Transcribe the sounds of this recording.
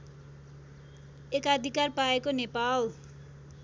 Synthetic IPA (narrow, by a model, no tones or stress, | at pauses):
ekʌd̪ʱikarpaekonepal